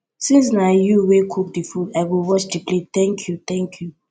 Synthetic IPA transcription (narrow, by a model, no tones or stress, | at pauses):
sĩns̬najuwekʰuk̚difudaɪwiwɔt͡ʃdiplet̪ɛ̃ŋkʰjut̪ɛ̃ŋkʰju